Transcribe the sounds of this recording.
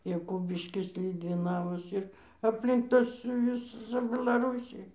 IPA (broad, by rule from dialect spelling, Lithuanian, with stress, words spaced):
jɛˈkʊbʲɪʃʲkʲɪs lʲʊdʲʋʲɪˈnɑːʋɐs ɪr ɐpʲˈlʲɪŋk ˈtɐs ˈjʊs ˈt͡sʲɛ bʲɛlˠɐˈruːsʲɪj